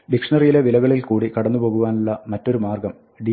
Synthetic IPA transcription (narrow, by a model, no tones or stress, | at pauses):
ɖikʂɐnɐrjile̞ʋilɐɣɐɭilkuːɽikɐɽɐnːupo̞ːɣuʋaːnuɭːɐmɐtːo̞ɾumaːrɡɐm | ɖi